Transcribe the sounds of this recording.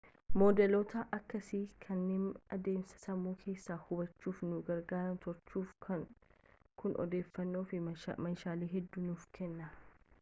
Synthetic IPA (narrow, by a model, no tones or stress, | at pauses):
moːd̪ɛlot̪ɐʔɐkːɐsɪkʰɐnːeːnɐd̪e̞ːmsɐ̥sɐmuːkʰe̞ːsːaːhʊbɐt͡ʃːuːfnʊɡɐɾɡaːɾɐnt̪ɔɾt͡ʃːuːfkʰɐŋ | kʊnʔɔ̰d̪e̞ːfːɐnːo̞ːfɪmɐnʃaːleːɦɛd̪ːunuːfkʰɛnːɐ